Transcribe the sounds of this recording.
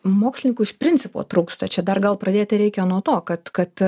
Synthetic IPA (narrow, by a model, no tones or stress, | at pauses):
moːksʲlʲɪnʲɪŋkuɪʃpʲɾʲɪnʲt͡ssʲɪpo̰ːt̪ɾuːkst̪ɐt͡ʃʲɛd̪ɐrɡɐlˠpɾɐd̪ʲeːt̪ʲɪɾʲɛɪkʲɛnuɔt̪oːkɐt̪kɐt̪